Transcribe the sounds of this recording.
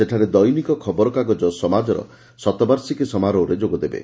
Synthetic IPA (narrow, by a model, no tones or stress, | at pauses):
seʈʰaɾed̪ɔjnikɔkʰɔbɔɾɔkaɡɔd͡ʒɔsɔmad͡ʒɔɾɔ̰ | sɔt̪ɔbaɾsikesɔmaɾɔːɾed͡ʒoɡɔd̪ebḛ